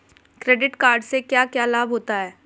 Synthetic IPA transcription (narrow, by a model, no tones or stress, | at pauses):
kɾeːɖɪʈkaːɾɖsekjaːkjaːlaːbʱɦoːt̪aɦɛː